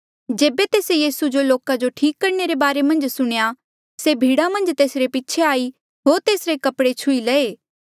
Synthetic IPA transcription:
d͡ʒeːbet̪eːsejiːsud͡ʒoloːkad͡ʒoʈʰiːkːɐɾneɾebaːɾemɐ̃nd͡ʒsʊɽ̃ja | sebʱiːɽamɐ̃nd͡ʒt̪eːsɾepitːʃʰeaːi | ɦoːɾt̪eːsɾekɐpɽet͡ʃʰʊilɛeː

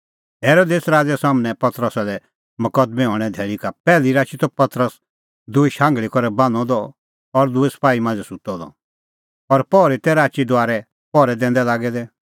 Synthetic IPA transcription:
ɦeːɾoːd̪eːsɾaːd͡ʒɛsaːmnɛ̃pɐt̪ɾəsalɛ | mɐkəd̪mɛɦɔːɽ̃ɛ̃d̪ʱɛːɭikapɛːliɾaːt͡ʃit̪ɔpɐt̪ɾəs | d̪ʊiʃãːŋɡɭikɔɾɛbãnɔd̪ɔ | ɔɾd̪ʊɛsɐ̥paːimãːnd͡zɛsut̪ːɔd̪ɔ̰ | ɔɾpɔːɾit̪ɛɾaːt͡ʃid̪ʊaːɾɛ | pɔɾɛd̪ɛ̃ːnd̪ɛlaːɡɛd̪ɛ

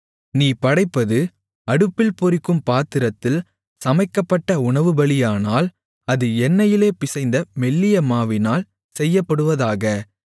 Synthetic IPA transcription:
niːpɐɽɐɪpːɐðɯ | ɐɽɯpːɪlpɔɾɪkːɯmpaːt̪ːɪɾɐt̪ːɪl | sɐmɐɪkːɐpːɐʈːɐʊɳɐʋɯbɐɭɪjaːnaːl | ɐðɯɛnːɐjɪleːpɪsɐɪnd̪ɐmɛlːɪjɐmaːʋɪnaːl | sɛjːɐpːɐɽɯʋɐðaːɣɐ

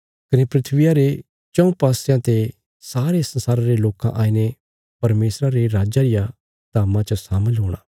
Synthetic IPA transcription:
kɐnepɾɪt̪ʰʋɪjaɾe | t͡ʃɐ̃ũpaːsjãt̪e | saːɾesɐ̃nsaːɾaɾeloːkã̰ʔaːine | pɐɾmeːsɾaɾeɾaːd͡ʒaɾɪja | d̪aːmãt͡ʃəsaːməlɦoːɽ̃aː

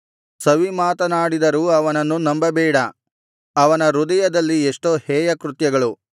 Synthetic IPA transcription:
sɐʋimaːt̪ɐnaːɽid̪ɐɾuːɐʋɐnɐnːunɐmbɐbɛːɽɐ | ɐʋɐnɐɾud̪ɐjɐd̪ɐlːieʂʈoːhɛːjɐkɾut̪jɐɡɐɭu

